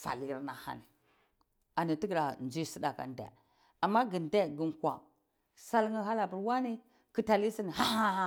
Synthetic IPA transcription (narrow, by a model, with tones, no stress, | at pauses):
fa̰˨li˦ɾna˨ha̰˨ni˨ | a˨ni˨ti˦ɡɾa˨nd͡ʒi˦si˦da˨ka̰˨ndḛ˨ | a˨mːa˦ɡi˨nde˦ɡi˦nkʷa̰˨ | sa˦lŋi˦ɦa˦la˨bi˨ɾwa˦ni˦ | ki˦ta˨li˦si˦ni˨ha˦ha˦